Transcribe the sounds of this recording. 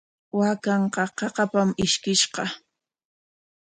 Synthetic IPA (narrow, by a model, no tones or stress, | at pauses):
wakɑɴqɑqɑqɑpamɪʃkɪʃqɑ